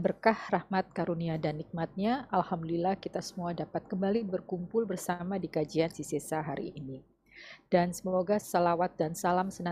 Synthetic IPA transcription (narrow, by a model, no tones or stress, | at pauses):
bərkahrahmat̪̚kaɾuniadanːik̚mat̪̚ɲaʔalhamdəlilahkit̪asəmuadapat̪̚kəmbalibərkumpʊlbərsamadikad͡ʒiansisesaɦaɾḭːni | d̥ansəmoɡasalawat̪̚dansalamsəna